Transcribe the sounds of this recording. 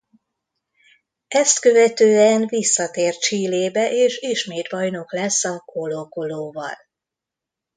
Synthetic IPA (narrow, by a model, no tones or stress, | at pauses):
ɛst̪kø̞vɛt̪øːɛnvisːɒt̪eːrt̪t͡ʃiːleːbɛʔeːʃiʃmeːt̪bɒjno̞klɛsːɒkolokoloːvɒ̰l